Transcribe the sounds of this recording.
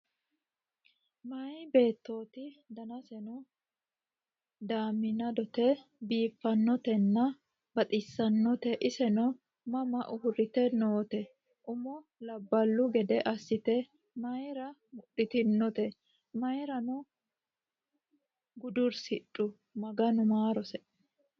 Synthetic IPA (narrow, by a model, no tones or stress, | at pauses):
mɐjbe̞ːt̪ːo̞ːt̪ɪd̪ɐnɐsɛnʊ | d̪aːmːɪnɐd̪ɔt̪ɛbiːfːɐnːɔt̪ɛnːɐ | bɐt̪ʼɪsːɐnːɔt̪ɛʔɪsɛnɔ | mɐmɐʔʊhʊɾɪt̪ɛnoːt̪ɛ | ʔʊmɔlɐbːɐlːʊɡɛd̪ɛʔɐsːɪt̪ɛ | mɐjɾɐmʊɗːɪt̪ɪnːɔt̪ɛ | mɐjɾɐnʊ | ɡʊd̪ʊɾsɪᶑʼːʊ | mɐɡɐnʊmaːɾɔsɛ